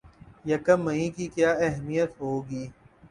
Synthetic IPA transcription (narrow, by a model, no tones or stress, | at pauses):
jɐkəmːəĩkikjaːɛɦmijət̪ɦoːɡiː